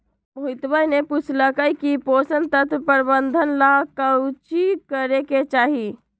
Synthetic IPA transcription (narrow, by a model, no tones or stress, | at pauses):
mɦuit̪bəjneput͡ʃʰləkəjkiposənt̪ət̪ʰpəɾbənd̪ʱənlakawt͡ʃikəɾeket͡ʃaːɦi